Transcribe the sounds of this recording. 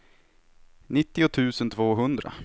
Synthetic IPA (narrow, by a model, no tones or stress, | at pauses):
nɪt̪ːɪʊt̪ʰʉ̟ːsənt̪ʰvoːɦɵnd̪ɾa̰